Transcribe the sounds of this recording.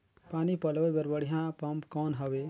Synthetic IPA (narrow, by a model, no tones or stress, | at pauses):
paːnipəlbebeɾbəɽ̤iɦãpəmpkɔnɦəbe